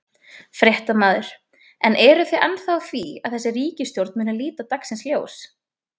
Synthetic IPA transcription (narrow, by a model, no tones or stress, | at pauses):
fɾjeht̪amaːðʏɾ̥ | ɛnʔɛɾʏθejʔanːθaθvia̰ðθɛsːɪriːcɪst̪jowɾt̪mɪːnaliːt̪at̪aksɪnsljoːws